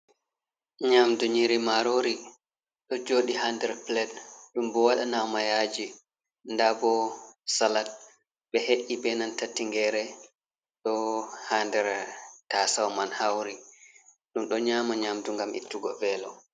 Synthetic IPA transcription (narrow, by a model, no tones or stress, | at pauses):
ɲamduɲiɾimaɾoɾi | ɗɔd͡ʒoːɗihandɛɾplɛd̚ɗumbɔwaɗanawmajad͡ʒi | ndabɔsalat̚ | ɓɛheʔibɛnantatːiŋɡɛɾɛ | ɗɔhandɛɾtasawmanhawɾi | ɗumɗɔɲaːmaɲamduŋɡamʔḭtːuɡɔvɛlɔ